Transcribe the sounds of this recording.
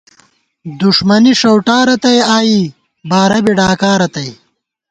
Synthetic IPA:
d̪uʂmɐniʂɐwʈaːɾɐt̪ɐjaːji | baːɾɐbiɖaːkaːɾɐt̪ɐj

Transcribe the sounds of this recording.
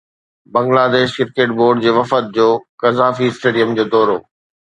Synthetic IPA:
bɐ̃ŋɡlaːd̪eːʃkɪɾkeːʈ̚boːɾɖd͡ʑeːʋɐfət̪̚d͡ʑoːkɐzaːfiɪsʈeːɖijəmd͡ʑoːd̪ɔːɾo̰ː

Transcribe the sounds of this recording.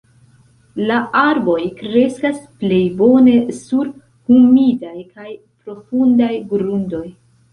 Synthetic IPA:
laʔaɾbo̞jkɾe̞skasple̞jbo̞ne̞suɾ | humidajkaj | pɾo̞fundajɡɾundo̞j

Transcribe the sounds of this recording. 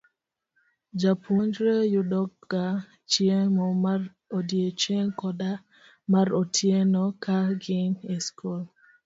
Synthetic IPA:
d͡ʒapʰuɲd͡ʒɾejʊdɔɡ̚ɡa | t͡ʃjemɔmar | odjet͡ʃeŋkɔda | maɾotʰjenɔkʰaɡɪneskol

